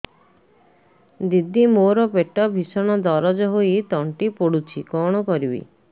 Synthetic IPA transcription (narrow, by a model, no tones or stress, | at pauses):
d̪id̪imoɾɔpeʈɔbʱisɔɽ̃ɔd̪ɔɾɔd͡ʒɔɦoit̪ɔɳʈipoɽut͡ʃʰikɔɽ̃ɔkɔɾibḭ